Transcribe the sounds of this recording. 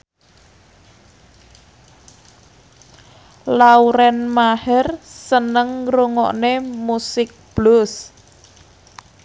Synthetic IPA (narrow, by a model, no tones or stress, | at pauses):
lauɾɛnmahɛrsənəŋruŋɔ̰ʔnemusɪk̚b̥lʊs